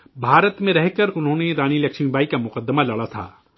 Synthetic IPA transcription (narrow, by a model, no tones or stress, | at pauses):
bʱaːɾət̪mẽɾɛɦkəɾʊnɦõːneɾaːnilɐkʃmibaːikamʊqəd̪ːəmalɐɽat̪ʰa̰ː